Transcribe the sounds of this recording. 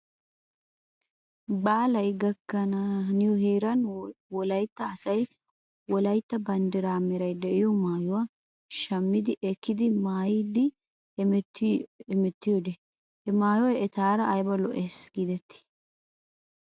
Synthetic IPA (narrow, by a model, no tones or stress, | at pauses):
baːlɐjɡɐkːɐnɐnɪjɔɦeːɾɐnwɔlɐjt̪ːɐːsɐj | wɔlɐjt̪ːɐbɐnd̪ɛɾaːmɛɾɐjd̪ɛʔɪjɔmaːjʊwa | ʃɐmːɪd̪ɪʔɛkːɪd̪ɪmaːjɪd̪ɪ | tːɛmɛt̪ːɪjɔd̪ɛ | hɛmaːjwɐjɛt̪aːɾɐːjbɐlɔʔeːsɡ̥ɪd̪ɛt̪ːɪ̥